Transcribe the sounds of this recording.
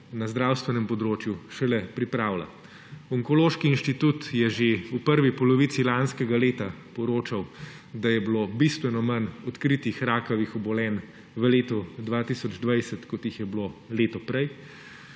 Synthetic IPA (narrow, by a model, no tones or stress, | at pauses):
nazd̪ɾaːwst̪ʋɛnɛmpɔd̪ɾoːt͡ʃjuʃɛlɛpɾipɾaːwla̰ | ɔŋkɔloːʃkiːnʃt̪it̪ut̪jɛʒeupəɾʋipɔlɔʋisilanskɛɡaleːt̪apɔɾoːt͡ʃaw | d̪ajɛblobist̪ʋɛnɔmanɔt̪kɾit̪ixɾaːkɐʋixɔbɔlɛːn | ʋəleːt̪ɔd̪ʋaːt̪isɔd͡ʒd̪ʋajsɛt̪kɔt̪jixjɛbloleːt̪ɔpɾɛj